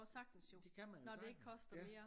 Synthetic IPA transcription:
sɑ̈ɡ̥̚d̥əsjod̥ekʰæmænnɒde̝eɡ̥kʰɒ̽sd̥ɐmeːɐ

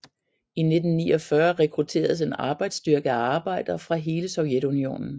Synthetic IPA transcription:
ine̝d̥n̩ːḭːɒ̽fɶɐʁɛkʰʁut͡sʰe̝̰ːɐðˠse̝nɑ̈ːb̥ɑ̈ɪd̥sd̥yɐɡ̥əæɑ̈ːb̥ɑ̈ɪ̰d̥ɐfʁɑ̈ɦe̝ːləsɒ̽ʊjed̥unio̝̰ːnn̩

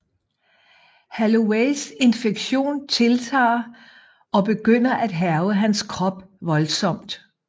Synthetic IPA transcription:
hæloeɪse̝nfeɡ̥ɕo̝̰ːnt͡sʰe̝lt͡sʰɑ̰̈ː | ɒ̽b̥e̝ɡ̥øn̰ɐʔæd̥ɦæɐʊəɦænskʰʁɒ̽b̥ʋɒ̽lsɒ̽m̰d̥

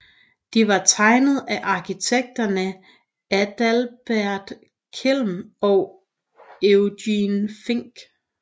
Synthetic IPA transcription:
d̥iʋɑ̈t͡sʰɑ̈ɪnð̞̩ˠæʔɑ̈kʰit͡sʰeɡ̥̚d̥ɐnə | æd̥ælb̥æɐ̰d̥ | kʰelmɒʊ | eʊdinfeŋ̰ɡ̥

